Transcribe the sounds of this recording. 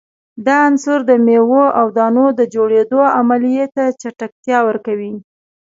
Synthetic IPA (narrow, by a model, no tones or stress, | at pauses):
d̪ɑansʊɾd̪əmewoʔawd̪ɑnod̪əd͡ʒoɽed̪oamalijet̪at͡ʃaʈak̚t̪jɑwəɾkawi